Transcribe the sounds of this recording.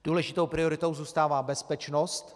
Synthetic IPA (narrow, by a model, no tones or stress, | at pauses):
d̥uːlɛʒɪt̪owpɾɪo̞ɾɪt̪owzuːst̪aːvaːbɛspɛt͡ʃno̞st̪